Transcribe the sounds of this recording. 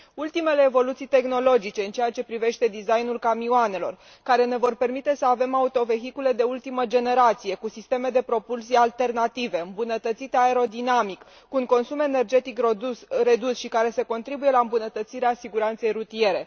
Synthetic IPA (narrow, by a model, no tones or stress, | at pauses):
ult̪ime̞le̞ːvo̞lut̪sijt̪e̞xno̞lo̞d͡ʒit͡ʃe̞ɨnt͡ʃejat͡ʃe̞pɾive̞ʃt̪e̞d̪izajnulkamioane̞lo̞̰r | kaɾe̞ne̞vo̞rpe̞rmit̪e̞səave̞maut̪o̞ve̞ɦikule̞d̪e̞ult̪iməd͡ʒe̞ne̞ɾat̪sije̞kusist̪e̞me̞d̪e̞pɾo̞pulsialt̪e̞rnat̪ive̞ɨmbunət̪ət̪sit̪eae̞ɾo̞d̪inamik | kuuŋko̞nsume̞ne̞rd͡ʒe̞t̪ikɾe̞d̪usʃikaɾe̞se̞ko̞nt̪ɾibuje̞laɨmbunət̪ət̪siɾeasiɡuɾant̪se̞jrut̪ije̞ɾe̞